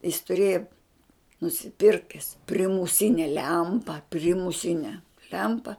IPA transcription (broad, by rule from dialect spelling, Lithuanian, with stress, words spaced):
jɪs tʊˈrʲeːjɛ nʊsʲɪˈpʲɪrʲkʲɛs pʲrʲɪmʊˈsʲɪnʲɛ ˈlʲɛmpɐ pʲrʲɪmʊˈsʲɪnʲɛ ˈlʲɛmpɐ